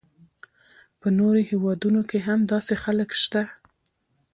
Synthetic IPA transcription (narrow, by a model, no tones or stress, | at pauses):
pənoɾohewɑd̪unokeɦamd̪ɑsexaləkʃt̪a